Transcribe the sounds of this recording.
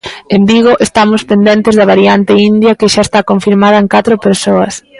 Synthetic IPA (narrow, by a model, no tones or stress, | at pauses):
embiɣ̞oʔest̪amʊspend̪ent̪ɪzðɐβ̞aɾiant̪ɪind̪jɐkɪʃaest̪akoɱfiɾmað̞ɐeŋkat̪ɾopeɾsoɐs